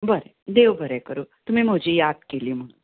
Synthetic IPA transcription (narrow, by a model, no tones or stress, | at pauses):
bəɾɛ | d̪eʋbʱəɾɛkəɾot̪um̤ĩːm̤əd͡ʑʱiːjad̪̚keliːm̤əɽ̃n